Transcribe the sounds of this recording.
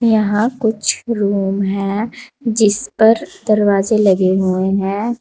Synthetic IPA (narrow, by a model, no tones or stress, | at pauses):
jɐɦãkʊt͡ʃʰɾuːmɦɛ̃ːd͡ʒɪspɐɾd̪ɐɾwaːzelɐɡeɦueɦɛ̃ː